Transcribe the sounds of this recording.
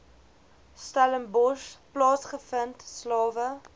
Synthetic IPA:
stælənbɔʃplɑːsχəfəntslɑːvə

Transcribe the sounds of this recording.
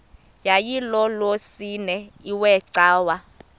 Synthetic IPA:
jajilɔlosinɛiwɛǀaːwa

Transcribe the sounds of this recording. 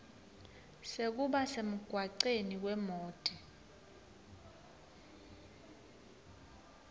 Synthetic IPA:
sek̬uɓasem̩ɡ̥ʱwaǀenik̬wɛmoːtʼi

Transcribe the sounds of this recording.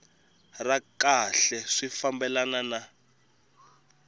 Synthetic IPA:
rakaɬɛʂifambɛlanana

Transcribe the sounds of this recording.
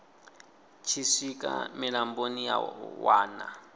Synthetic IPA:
t͡ʃʰisikʼa̰miɺambonija̰waːna̰

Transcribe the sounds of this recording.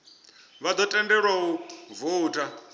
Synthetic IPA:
βad̪ɔtʼɛndɛɺwaɦuvoːtʼa

